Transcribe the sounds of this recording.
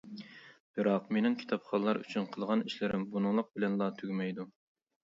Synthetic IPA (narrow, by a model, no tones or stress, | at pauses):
b̥ɨɾɑqmenɪŋkʲʰi̥t̪ʰɑpχɑlˠɑɾy̰t͡ʃʰynqʰəlˠʁɑniʃlɪɾɪmbunɨŋlˠəq̚bɪlɛnlˠɑt̪ʰyɡʲmɛjd̪u